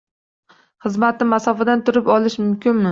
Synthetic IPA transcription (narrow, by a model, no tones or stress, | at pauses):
χɨzmat̪̚nɪmasɒfad̪ant̪ʰʊɾɪpɒlɪʃmʊmkʲʰɪnmɪ